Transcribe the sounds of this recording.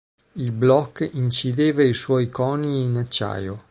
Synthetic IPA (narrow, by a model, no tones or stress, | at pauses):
ilblɔkːint͡ʃid̪eːvaiswɔjkɔniːnat͡ʃːa̰jo